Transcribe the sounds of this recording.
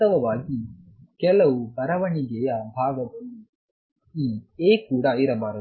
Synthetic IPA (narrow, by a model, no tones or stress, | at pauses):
ɐʋɐʋaːki | kɛlɐwubɐɾɐʋɐɳiɡɛːjaːbʱaːɡɐt̪oni | iːeːkuːɽaːiɾɐbaːɾɐ